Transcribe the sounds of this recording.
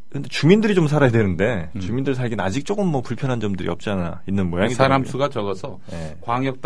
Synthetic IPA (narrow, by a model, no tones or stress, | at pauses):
kɯnde̞t͡ɕumindɯɾit͡ɕoms̬ʰaɾajadwenɯnde̞t͡ɕumindɯɭs̬ʰaɭɡina̰d͡ʑik̚t͡ɕ͈ok͈ɯmːʌpuɭpʰjʌnɦand͡ʑʌmdɯɾḭʌp̚t͡ɕ͈iana | inːɯnmʌjaɡsʰaɾamsʰuɡat͡ɕʌɡʌsʰʌje̞ | kwaŋjʌk̚t͈